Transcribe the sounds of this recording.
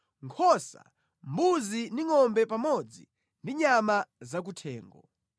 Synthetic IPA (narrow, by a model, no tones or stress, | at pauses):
ŋkʰɔsa̰ | mbuziniŋɔmbɛpamɔd͡zḭ | ndiɲamazak̬utʰɛ̰ːŋɡɔ